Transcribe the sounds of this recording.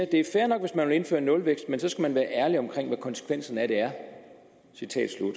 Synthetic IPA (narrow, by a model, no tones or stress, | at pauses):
d̥e̝æɐfæɐnɒ̽ɡ̥ʋe̝smænʋele̝nfø̰ːɐnɔ̽lʋeɡ̥sd̥̚mensɒ̽sɡ̥æmænʋæːɐʔæɐliɒ̽mkʰʁeŋ̰ʋækʰɒ̽nse̥kʰʋen̰sn̩æd̥e̝æɐ | sit͡sʰɛ̰ːd̥slud̥